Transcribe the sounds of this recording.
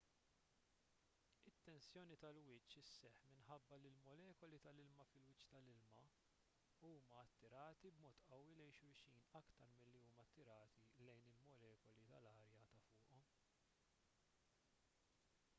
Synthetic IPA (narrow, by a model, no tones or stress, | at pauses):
ɪt̪ːɛnsjɔːnit̪ɐlwɪt͡ʃːɪsːɛħmɪnħɐbːɐlɪlmɔlɛːkɔlit̪ɐlɪlmɐfɪlwɪt͡ʃːt̪ɐlɪlmɐ | uːmɐːt̪ːɪɾɐːt̪ibmɔːt̪ʔɐwːilɛjʃʊɾʃiːnɐkt̪ɐɾmɪlːiuːmɐt̪ːɪɾɐːt̪ilɛjnɪlmɔlɛːkɔlit̪ɐlɐːɾjɐːt̪ɐfʊːʔɔm